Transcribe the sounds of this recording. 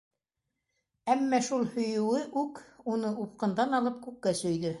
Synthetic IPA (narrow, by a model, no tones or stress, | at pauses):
æmːæʃulˠhɵ̆jɵ̆wɘʔʉkunɤʔup̚qɤ̆nd̪ɑnɑlˠɤp̚kʉkːæsɵ̆jðɵ